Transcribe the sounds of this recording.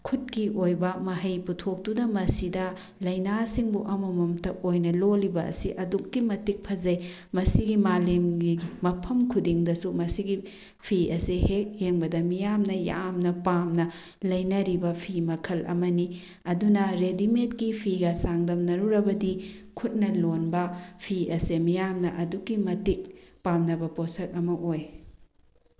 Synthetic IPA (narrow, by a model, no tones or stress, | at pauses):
kʰut̚kiʔojbɐmɐɦɐjputʰok̚tudɐmɐsidɐ | lɐjnasiŋbuʔɐmɐmɐmtɐp̚ojnɐlolibɐɐ̰siʔɐdukːimɐtik̚pʰɐzɐj | mɐsiɡimalemimɐpʰɐmkʰudiŋdɐsumɐsiɡi | pʰiɐsihek̚heŋbɐdɐmijamnɐja̰mnɐpamnɐ | lɐjnɐɾibɐpʰimɐkʰɐlʔɐ̰mɐni | ɐdunɐɾedimetkipʰiɡɐsaŋdɐmnɐɾuɾɐbɐdi | kʰut̚nɐlonbɐpʰiɐsemijamnɐʔɐdukːimɐtik̚pamnɐbɐposɐk̚ɐmɐʔoj